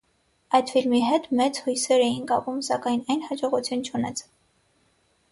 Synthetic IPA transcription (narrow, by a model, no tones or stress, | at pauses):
ɑjd̪filmiɦɛt̪mɛt͡shujsɛɾɛjinkɑpumsɑkɑjnɑjnhɑd͡ʒɔʁut͡sʰjunt͡ʃʰunɛt͡sʰ